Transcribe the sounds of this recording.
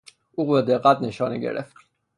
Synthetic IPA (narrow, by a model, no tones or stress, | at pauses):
uɣwɛd̪ɛqʼad̪̚nɛʃɔnḭɡɛ̰ɾɛ̰f